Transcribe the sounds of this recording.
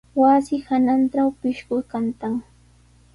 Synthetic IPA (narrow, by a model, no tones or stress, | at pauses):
wasɪhananʈ͡ʂawpɪʃkʊjkant̪aŋ